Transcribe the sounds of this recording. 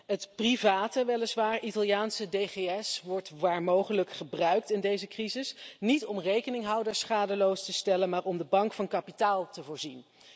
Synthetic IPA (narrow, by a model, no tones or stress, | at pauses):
ɦətprivaːtəʋɛlɪsʋaːɹʔitɑlˠjaːnsədejχeɛsʋɔɹtʋaːɹmowχələkχəbrœɥk̚tɪndejzəkrizɪsnitɔmrejkənɪŋɦɑwdəɹsχaːdəlowstəstɛlənmaːɹɔmdəbɑŋkfɑnkɑpitaːlˠtəvʊːɹzin